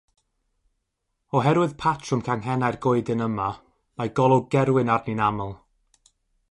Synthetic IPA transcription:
ɔɦɛɾwɨðpʰatʰrʊmkʰaŋɦɛnajrɡʊɨdɨnəma | majɡɔlˠɔɡɛɾwɪnarninaməlˠ

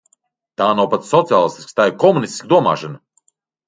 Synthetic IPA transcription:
t̪aːnawpat̪ssɔt̪siaːlˠist̪i̥sʲkst̪aːjiɾkɔmunisʲt̪i̥skd̪uɔma̰ːʃan

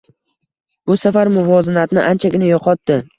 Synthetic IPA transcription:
b̥ʊsafaɾmʊvɒzɪnat̪nɪʔant͡ʃʰaɡʲɪnajɒqʰɒt̪ːɪ

